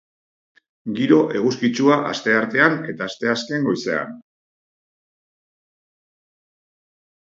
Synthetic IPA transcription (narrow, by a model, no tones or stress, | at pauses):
ɡiɾo̞ʔe̞ɣ̞uskit͡ʃuaʔast̪e̞aɾt̪e̞ane̞t̪aːst̪e̞aske̞ŋɡo̞jse̞a̰n